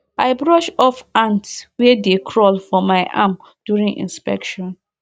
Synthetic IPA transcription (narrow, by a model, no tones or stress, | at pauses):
aɪbɹɔʃɔfãntswɛdekʰɹɔlfɔmaɪʔa̰m | d̥juɹĩŋḭ̃nspɛ̰kʃɔ̃n